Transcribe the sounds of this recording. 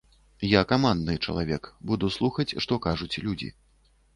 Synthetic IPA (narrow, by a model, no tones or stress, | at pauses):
jakamand̪nɨt͡ʂɐ̰lˠavʲɛkbud̪uslˠuxɐt͡sʲʂt̪ɔkaʐut͡sʲlʲud͡zʲḭ